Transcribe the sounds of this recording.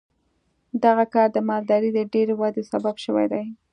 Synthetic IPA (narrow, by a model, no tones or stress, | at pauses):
d̪aɣakɑɾd̪əmɑld̪ɑɾid̪əɖeɾewad̪esababʃəwa̰jd̪aj